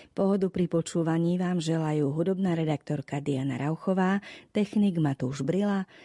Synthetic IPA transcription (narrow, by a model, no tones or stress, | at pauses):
pɔɦɔd̪upɾipɔt͡ʃuːʋaɲiːʋaːmʒɛlajuːɦud̪ɔbnaːɾɛd̪ak̚t̪ɔɾkad̪iana̰ɾʔaʊxɔʋaːt̪ɛxniɡmat̪uːʒbɾila